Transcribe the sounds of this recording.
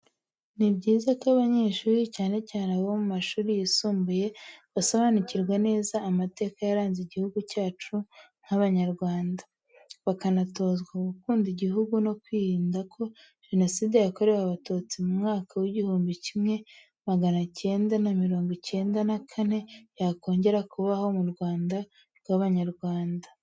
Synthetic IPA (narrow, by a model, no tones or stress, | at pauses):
nibɟiːzakaβaɲeʃuːɾicaːne̞caːneβomumaʃuːɾijisuːmbuje̞βasaβanuciɾɡwane̞ːzaːmate̞ːkajaɾaːnziɟihuɡucaːt͡ʃu | ŋ̥haβaɲaɾɡwaːnda | βakanato̞zɡwaɡukuːndiɟiɦuɡuno̞kwiːɾiːndakʰo̞ | ʒ̥e̞no̞siːde̞jako̞ɾe̞waβatoːt͡simumŋaːkawiɟihuːmbicimŋe̞ | maɡanace̞ːndanamiɾo̞ːŋɡice̞ːndanakʰane̞jako̞ːɲɟe̞ɾakuβaho̞muɾɡwaːnda | ɾɡwaβaɲaɾɡwaːnda